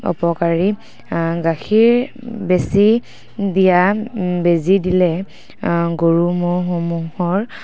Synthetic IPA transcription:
ɔ̰pɔkaɹi | ɡaxʰiɹ | besi | dijabezidilɛ | ɡoɹumoɦomuhɔɹ

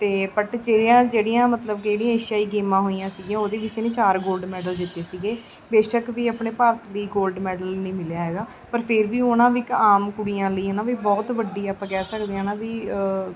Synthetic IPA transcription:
t̪eːpəʈd͡ʒeːɽjãːd͡ʒeːɽijãːmət̪ləb̚keːɽijãːeːʃjaːiːɡiːmãːɦoːijãːsiːɡijãːoːd̪eːʋɪt͡ʃːnĩːt͡ʃaːɾɡoːlɖmɛːɖəld̪ɪt̪ːeːsiːɡeː | beːʃəkʋiːəːpɳeːpaːɾət̪liːɡoːlɖmɛːɖəlnĩːmɪlejaːɦɛːɡaː | pəɾpʰɪɾʋiːonãːʋiɪkaːmkʊɽiːãːləiːɦaːnãːʋiːbɔːt̪ʋəɖːiːaːpãːkɛːsəkd̪eːãːnãːʋiː

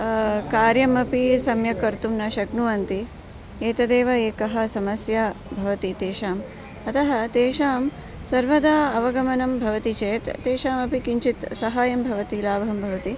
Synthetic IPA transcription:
kaːɾjɐmɐpisɐmjɐkɐɾt̪umnɐʃɐknuʋɐnt̪i | eːt̪ɐd̪eːʋɐeːkɐɦɐ̆sɐmɐsjɐbʱɐʋɐt̪it̪eːʃaːm | ɐt̪ɐɦɐt̪eːʃaːm | sɐɾʋɐd̪aɐʋɐɡɐmɐnɐmbʱɐʋɐt̪it͡ʃeːt̪t̪ːeːʃaːmɐpikiɲt͡ʃit̪sɐɦaːjɐmbʱɐʋɐt̪ilaːbɐɦɐmbʱɐʋɐt̪i

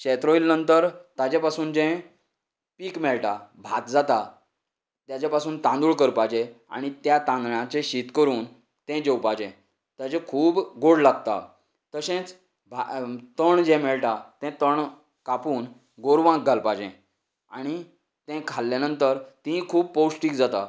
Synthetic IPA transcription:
ɕɛt̪ɾoilnənt̪əɾt̪at͡ɕɛ̃pasuːnd͡ʑɛ̃ | piːkmɛɭʈabʱat̪d͡zat̪a | t̪jat͡ɕapasuːnt̪ãnd̪uːɭkəɾpad͡ʑẽa̰ɽ̃it̪jat̪ãnd̪ɳãt͡seɕit̪kəɾuːn | t̪ɛ̃d͡ʑewpad͡ʑɛ̃ | t̪ad͡ʑɛ̃kʰuːbɡoɽlaɡ̚t̪a̰ | t̪əɕẽt͡s | bʱat̪əɳd͡ʑɛ̃mɛɭʈat̪ɛ̃t̪əɳ | kapuːn | ɡoɾʋãk̚ɡʱalpad͡ʑɛ̰̃ | aɽ̃i | t̪ɛ̃kʰalːanənt̪əɾt̪ĩkʰuːb̚powsʈiːkd͡zat̪a̰

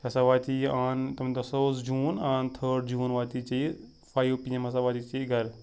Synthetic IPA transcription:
ɐsaʋaːt̪iaːnt̪ɐmnt̪ɐsosd͡ʒuːnaːnt̪ʰəɖd͡ʒuːnʋaːt̪it͡ʃe | faːjʋpiemɐsaʋaːt̪iːt͡ʃeːɡɐɾ

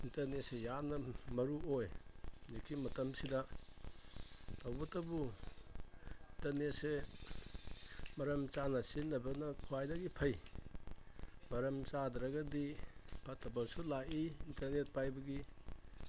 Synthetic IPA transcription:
intɐɾnet̚sejanːɐmɐɾuojnikʰːimɐtɐmsidɐ | tʰawbɐtɐbu | intɐɾnet̚se | mɐɾɐmt͡ʃanɐsinːɐbɐnɐkʰwajdɐɡipʰɐj | mɐɾɐmt͡ʃadɾɐɡɐdipʰɐtːɐbasulaʔiintɐɾnet̚pajbɐɡi

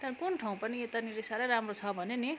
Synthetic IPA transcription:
t̪ʌkunʈʰaw̃pʌniet̪aniɾisaɾʌjɾamrot͡sʰʌbʱʌneni

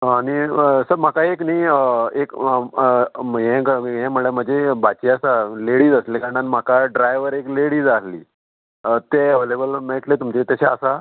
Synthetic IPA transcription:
aɽ̃iəsəɾmakaekniːəek | ɦɛ̃ɡəɦɛ̃məɭem̤ə̃d͡zebat͡ɕiasaleɽiːd͡zəslekaɳɖanmakaɖɾajʋəɾekleɽiːd͡zaslḭː | ət̪eəʋelebəlmeɭʈlet̪umt͡ɕet̪jaɕaəsa

